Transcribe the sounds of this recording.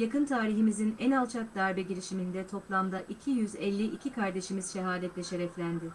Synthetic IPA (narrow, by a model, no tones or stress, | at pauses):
jakɯnt̪ʰaːɾiɦimizinɛnalˠt͡ʃʰak̚d̪aɾbɛɟiɾiʃimind̪ɛt̪ʰo̞plˠamd̪aʔicʰijyzɛlʲːiʔicʰikʰaɾd̪e̞ʃimiz̥ʃeɦaːd̪ʲɛt̪lʲɛʃe̞ɾɛflʲænd̪ɪ